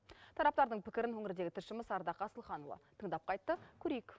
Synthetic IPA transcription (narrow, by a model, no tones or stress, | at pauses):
t̪ʰɑɾɑp̚t̪ɑɾd̪əɴpʰɪkʲɪɾɪnwɵŋɪɾɪd̪e̞ɡʲɪt̪ʰɪʃɪmɪsɑɾd̪ɑqɑsəlˠχɑnovɑ̰t̪ʰəɴd̪ɑp̚qʰɑjt̪ːəkʲʰɵɾejɪk